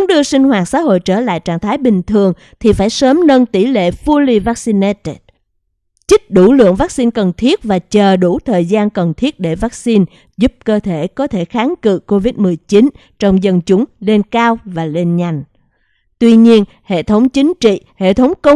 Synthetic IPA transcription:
ŋ͡mɗɨ˧əsï˧ŋ̟ɦwaː˨˩t̚sa̰ː˧˥ɦo̰˧˨jt͡ɕəː˧˩la̰ː˧˨jt͡ɕaː˧˩nt̪ʰaː˨˦jɓï˨˩ŋ̟t̪ʰɨ˨˩əŋ | t̪ʰi˨˩faː˧˩jsəː˨˦mnə˧nt̪i˧˩lḛ˧˨fu˧li˧vaː˦˥k̚si˧ne˦t̪e˦t̚ | t͡ɕï˦˥k̟̚ɗu˧˩lɨ̰˧˨əŋvaː˦˥k̚si˧nkə˨˩nt̪ʰi˦˥ət̚vaː˨˩t͡ɕəː˨˩ɗu˧˩t̪ʰəː˨˩jzaː˧nkə˨˩nt̪ʰi˦˥ət̚ɗe˧˩vaː˦˥k̚si˧n | zu˦˥p̚kəː˧t̪ʰe˧˩kɔ˨˦t̪ʰe˧˩xaː˨˦nkɨ̰˧˨ko˧vi˦˥t̚mɨ˨˩əjt͡ɕi˨˦n | t͡ɕɔ˧wŋ͡mzə˧nt͡ɕʊ˨˦ŋ͡mle˧nkaː˧wvaː˨˩le˧nɲa˨˩jŋ̟ | t̪wi˧ɲi˧ən | hḛ˧˨t̪ʰə˨˦wŋ͡mt͡ɕï˨˦ŋ̟t͡ɕḭ˧˨hḛ˧˨t̪ʰə˨˦wŋ͡mkə˧wŋ͡m

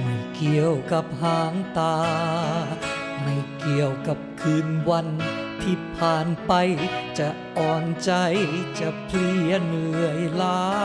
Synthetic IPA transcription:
mi˧˩ki˨˩əwka˨˧˩p̚haː˨˧˩ŋt̪aː˧ | miː˧˩ki˨˩əwka˨˧˩p̚kʰɯː˧nwa˧nt̪ʰiː˧˩pʰaː˨˩npa˧jt͡ɕa˧ | ʔɔː˨˧˩nt͡ɕa˧jt͡ɕa˧˩pʰli˧˥˩ənɯ˨˧˨əjlaː˦˥

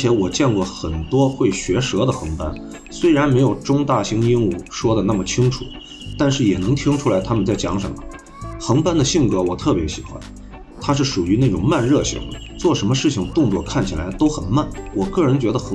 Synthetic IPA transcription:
t͡ɕʰjɛ˧˥wɔ˨˩t͡ɕjɛ˥˧nkwɔ˥˩xə˨˩nt̪wɔ˥xwe˥˩ɪɕɥɛ˧˥ʂɤ˧˥d̪ə˨xɤ˧˥ŋpa̰˥n | swe˥ɪɻa˧˥nme˧˥ɪjo˨˩ʊʈ͡ʂʊ˥ŋt̪a˥˩ɕi˥ŋi˥nu˥˩ʂwɔ˥d̪ə˨na˥˩mə˩t͡ɕʰi˥ŋʈ͡ʂʰu˨˩˦ | t̪a˥˧nʂɻ̩˥˩jɛ˨˩nɤ˧˥ŋt̪ʰi˥ŋʈ͡ʂʰu˥la˧˥ɪt̪ʰa˥mə˨nt͡sa˥˩ɪt͡ɕjɑ̰˧˥ŋʂə̰˧˥mə̰˧˩ | xɤ˧˥ŋpa˥nd̪ə˨ɕi˥˩ŋkɤ˧˥wɔ˨˩t̪ʰɤ˥˩pjɛ˧˥ɕḭ˨˩xwa̰˧˥n | t̪ʰa˥ʂɻ̩˥˩ʂu˨˩y˧˥na˥˩ʈ͡ʂʊ˨˩ŋma˥˧nɻɤ˥˩ɕḭ˧˩ŋd̪ə̰˧ | t͡swɔ˥˩ʂə˧˥mə˧ʂɻ̩˥˩t͡ɕʰi˩ŋt̪ʊ˥˧ŋt͡swɔ̰˥˧kʰa˥˩nt͡ɕʰi˨˩la˧˥ɪt̪o˥ʊxə˨˩nma˥˩nwʔɔ˨˩kɤ˥˩ɻə˧˥nt͡ɕɥɛ˧˥d̪ə˧xə˥

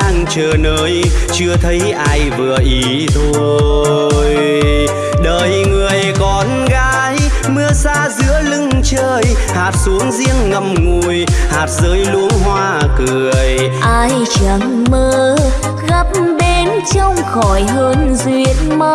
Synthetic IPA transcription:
aː˧ŋt͡ɕəː˨˩nəː˨˦jt͡ɕɨ˧ət̪ʰə˨˦jʔaː˧jvɨ˨˩əʔi˨˦ | t̪ʰo˧j | ɗəː˨˩jŋɨ˨˩əjkɔ˨˦n | ɣaː˨˦jmɨ˧əsaː˧zɨ̰˧˥əlɨ˧ŋt͡ɕəː˧jhaː˨˩t̚su˨˦əŋzi˧əŋːə˨˩mŋu˨˩jhaː˨˩t̚zəː˨˦jlu˨˦əŋɦwaː˧kɨ˨˩əj | ʔaː˧jt͡ɕa˧˩ŋməː˧˦ | ɣə˦˥p̚ɓe˨˦nt͡ɕɔ˧wŋ͡mxɔ˧˩jɦəː˧nzwi˨˧˩ət̚ma˧˦

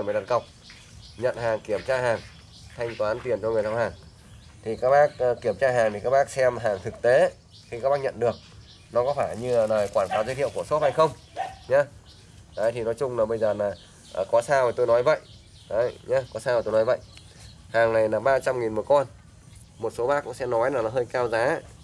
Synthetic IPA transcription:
maː˨˩t̪a˨˩nkə˨˩wk͡p̚ | ɲə̰˧˨nhaː˨˩ŋki˧˩əmt͡ɕaː˧ɦaː˨˩ŋ | t̪ʰa˧jŋ̟t̪waː˨˦nt̪i˨˩ənt͡ɕɔ˧ŋ˨˩t̪a˧wɦaː˨˩ŋ | t̪ʰi˨˩kaː˦˥k̚ɓaː˦˥k̚ːkːi˧˩əmt͡ɕaː˧ɦaː˨˩ŋt̪i˨˩kaː˦˥k̚ɓaː˦˥k̚sɛ˧mɦaː˨˩ŋt̪ʰɨ˨˩k̚t̪e˨˦ | xi˧kaː˦˥ɓaː˦˥k̚ɲə̰˧˨nɗɨ˨˩ək̚ | nɔ˨˦kɔ˨˦faː˧˩jɲɨ˧˨˩ləː˨˩jkwaː˧˩nkaː˨˦wzə˧˦jt̪ḭ˧˨wku˧˩əso˦˥t̚ha˧jxə˧wŋ͡m | ɲa˨˧ | ʔəː˨˩jt̪ʰi˨˩nɔ˨˦jt͡ɕʊ˧ŋ͡mlaː˨˩ɓə˧jzəː˨˩laː˨˩ | ʔəː˨˩kɔ˨˦saː˧wa˨˩t̪o˧jnɔ˨˦jvə̰˧˨jʔ | ʔə˨˦jɲaː˧kɔ˨˦saː˧wt̪o˧nɔ˨˦jvə̰˧˨j | haː˨˩ŋna˨˩jlaː˨˩ɓaː˧t͡ɕa˧mŋi˨˩nmu˨˩əkɔ˧n | mo˨˩t̚so˨˦ɓaː˦˥kːʊ̰˧˥ŋ͡msɛ̰˧˥nɔ˨˦jnaː˨˩la˨˩˦ɦəː˧jkaː˧wzaː˨˦

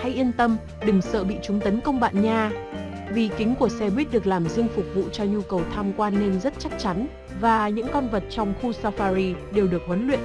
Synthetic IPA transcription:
ha˧jʔi˧ənt̪ə˧m | ɗɨ˨˩ŋsə̰ː˧˨ɓḭ˧˨t͡ɕʊ˨˦ŋ͡mt̪ə˨˦nkə˧wŋ͡mɓa̰ː˧˨nɲaː˧ | vi˨˩kï˨˦ŋ̟ku˧˩əsɛ˧ɓwi˦˥t̚ɗɨ˨˩ək̚laː˨˩mzɨ˧əŋfʊ˨˩k͡p̚vṵ˧˨t͡ɕɔ˧ɲu˧kə˨˩wt̪ʰaː˧mkwaː˧nːe˧mzə˦˥t̚t͡ɕa˦˥k̚t͡ɕa˨˦n | vaː˨˩ɲɨ̰˧˥ŋkɔ˧nvə˨˩t̚t͡ɕɔ˧wŋ͡mxu˧saː˧faː˧ɾi˧ɗe˨˩wɗɨ˨˩ək̚hwə˨˦nlwḭ˧˨ən

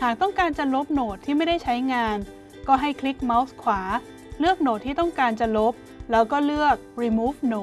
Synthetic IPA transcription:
haː˨˩k̚t̪ɔ˥˩ŋkaː˧nt͡ɕa˨˩lo˦˥p̚noː˨˩t̪ʰːiː˥˩ma˥˩jda˥˩jt͡ɕʰa˦˥jŋaː˧n | kɔː˥˩ɦa˥˩jkʰli˦˥k̚ma˦˥wskʰwaː˩˦ | lɯ˥˩ək̚noː˨˩t̪ʰːiː˥˩t̪ɔ˥˩ŋkaː˧nt͡ɕa˨˩lo˦˥p̚ | lɛː˦˥wkɔː˥˩lɯ˥˩ək̚ɾiː˧muː˦˥f̚no˨˩

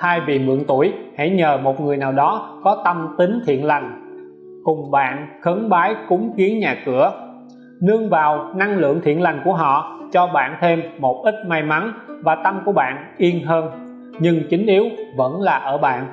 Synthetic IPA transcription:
haː˧jvi˨˩mɨ̰˧˨əŋt̪u˧˩əjha̰˧˥ɲəː˨˩mo˨˩t̚ŋɨ˨˩əjnaː˨˩wɗɔ˨˦kɔ˨˦t̪ə˧mt̪ï˨˦ŋt̪ʰḭ˧˨ənla˨˩jŋ̟ | kʊ˨˩ŋ͡mɓa̰ː˧˨nxə˨˦ŋɓaː˨˦jkʊ˨˦ŋ͡mki˨˦ənɲaː˨˩kɨ˧˩ə | nɨ˧əŋvaː˨˩wna˧ŋlɨ̰˧˨əŋt̪ʰḭ˧˨ənla˨˩jŋ̟ku˧˩əɦɔ̰˧˨t͡ɕɔ˧ɓa̰ː˧˨nt̪ʰe˧mːo˨˩t̚ʔï˦˥t̚ma˧jma˨˦nvaː˨˩t̪ə˧mku˧˩əɓa̰ː˧˨n | ʔi˧ənɦəː˧n | ɲɨ˧ŋt͡ɕï˨˦ŋ̟ʔi˨˦əwvə̰˧˥nlaː˨˩ʔəː˧˩ɓa̰ː˧˨nʔ

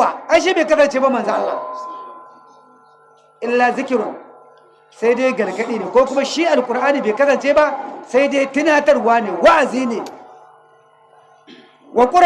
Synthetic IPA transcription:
a˨ʔa˦ʃ̬i˦beː˨kɐ˦s̬ɐ˨nt͡ʃeː˦ba˦mɐ˨nza˦ʔa̰ː˨a̰˨ | ʔɪ˦lːa˨zɪ˦kʲɪ˨ɾʊ˨ | sa˦jdeː˦jɡɐ˨lɡɐ˦ɗiː˦neː˨kʷoː˦kʊ˦ma˦ʃi˦ʔa˨lkʷʼʊ˨ɾʔaː˦niː˨beː˨kɐ˦sɐ˨nt͡ʃeː˦ba˦ʔsa˦jdeː˦tɪ˦naː˦tɐ˦rwaː˦neː˨wa˦ʔa˨ziː˦neː˨ | wʔa˨kʷʼʊ˦ɾ

